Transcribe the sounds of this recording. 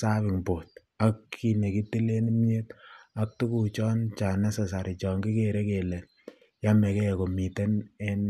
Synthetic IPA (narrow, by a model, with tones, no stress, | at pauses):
sa˦βɪ˨ŋpo˨t̚ | a˦kʰːi˨ne˨ki˦ti˦le˦n˦mɲe˦ta˦k̚tu˦ku˨t͡ʃɔ˦nt͡ʃa˨na˦se˨sa˨ɾi˨t͡ʃɔ˨ŋɡi˦ke˨ɾe˦ke˨lɛ˨ | ja˦mɛ˨kɛ˦˨ko˨mi˨tɛ˦nɛ˦n